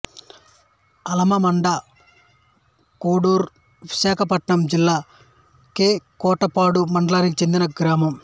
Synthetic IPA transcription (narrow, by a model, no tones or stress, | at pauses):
ɐlɐmɐmɐɳɖɐ | kuːɽuːɾ | ʋiʃaːkʰɐpɐʈɳɐmd͡ʒilːaː | keːkɔːʈɐpaːɽumɐɳɖɐlaːnikit͡ʃe̞nd̪inɐɡɾaːmɐm